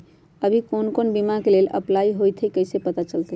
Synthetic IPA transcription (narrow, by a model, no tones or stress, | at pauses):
əbʱikonkonbimakelelə̰plaiɦojt̪ʰəjkəjsepət̪at͡ʃəlt̪e